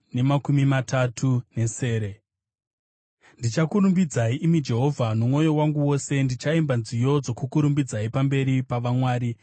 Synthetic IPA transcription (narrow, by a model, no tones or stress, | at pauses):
ne̞makumimatatʰune̞se̞ːɾe̞ | ndit͡ʃakuɾumbid͡zaiʔimid͡ʒe̞ɦo̞vʱanumwo̞jo̞waŋɡuwo̞se̞ndit͡ʃaimbanzijo̞d͡zo̞kukuɾumbid͡zaipambe̞ɾipaʋamwaːɾi